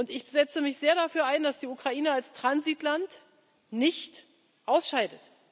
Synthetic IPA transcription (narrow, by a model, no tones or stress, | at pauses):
ʊntɪç̥zɛt͡səmɪçz̥eːɐɾafyːɐʔaɪndasd̥iːukʁ̥aʔiːnəalstʁ̥anzitlant | nɪçt | ʔaʊsʃaɪdət